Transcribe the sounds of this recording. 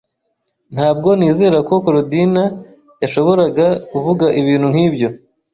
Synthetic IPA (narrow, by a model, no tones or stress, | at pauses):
n̥haːb̚ɡo̞niːze̞ːɾako̞koɾodina | jaʃo̞βo̞ɾaɡakuvuɡaʔiβiːn̥hun̥hiːbjo̞